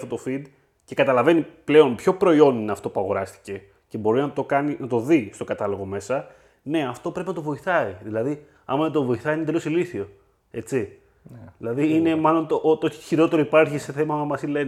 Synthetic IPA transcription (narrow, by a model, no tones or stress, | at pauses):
ft̪ot̪ofid̪ | ce̞kɐt̪ɐlɐve̞niple̞o̞npço̞pɾo̞io̞nineɐft̪o̞puɐɣo̞ɾɐst̪i̥ce̞ | ce̞bo̞ɾinɐt̪o̞kɐninɐt̪o̞ðist̪o̞kɐt̪ɐlo̞ɣo̞me̞sɐ | ne̞ɐft̪o̞pɾe̞pinɐt̪ovo̞iθɐiðilɐði | ɐ̰mɐnet̪ovo̞iθɐiinet̪elosiliθio̞ | e̞t͡si | ðilɐðiine̞mɐlo̞nt̪oʔot̪oiçiɾo̞t̪e̞ɾoipɐɾçise̞θe̞mɐmɐmɐsile̞n